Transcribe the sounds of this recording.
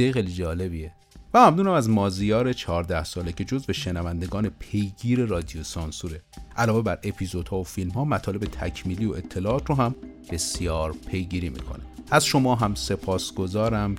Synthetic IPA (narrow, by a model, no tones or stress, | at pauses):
ejxejlid͡ʒɒːle̞bie | væmæmnuːnæmæzmɒːzijɒːɾet͡ʃʰɒːɾd̪æhsɒːlecʰe̞d͡ʒozbe̞ʃenævænd̪e̞ɡɒːnepʰe̞jɡiːɾe̞ɾɒːd̪ijosɒnsuɾe̞ʔælɒːve̞bæɾe̞pʰizo̞d̪̥hɒːofilmhɒːmæt̪ʰɒːle̞bet̪ʰæcʰmiːliːoe̞t̪ʰːe̞lɒːɒːt̪ʰɾoɦæmb̥e̞sjɒːɾpʰe̞jɡiːɾiːmḭkʰo̞̰nææzʃo̞mɒːɦæmse̞pʰɒːsɡ̥o̞zɒːɾæm